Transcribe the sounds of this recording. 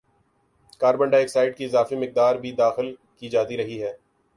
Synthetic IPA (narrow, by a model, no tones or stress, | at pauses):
kaːɾbə̃ɳɖaeːksaːɪɖ̚kiɪzaːfimɪk̚d̪aːɾbʱid̪aːxɪlkid͡ʒaːt̪iɾɐɦiɦɛː